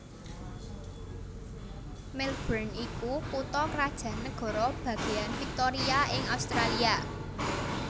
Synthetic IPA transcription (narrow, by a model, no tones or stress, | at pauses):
mɛlb̥ɾanikukut̪ɔkɾad̥ʒ̥ä̤nəɡ̥ɔ̤ɾɔb̥ä̤ɡ̥e̤janfik̚t̪oɾiaɪŋawst̪ɾalia